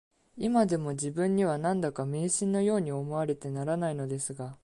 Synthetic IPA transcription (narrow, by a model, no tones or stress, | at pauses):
imad̪e̞mo̞ʑibɯ̟̃ɲ̟ːiβ̞anãnd̪akame̞ːɕĩnːo̞jo̞ːɲ̟io̞mo̞βaɾe̞t̪e̞naɾanaino̞d̪e̞sɨɡa